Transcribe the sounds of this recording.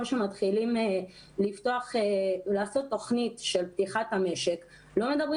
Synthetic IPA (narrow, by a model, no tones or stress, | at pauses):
ʃemat̪χilime | lift̪o̞aχelaːso̞t̪ːo̞χnitʃe̞lp̚t̪iχathame̞ʃe̞k | lo̞me̞d̪abʁi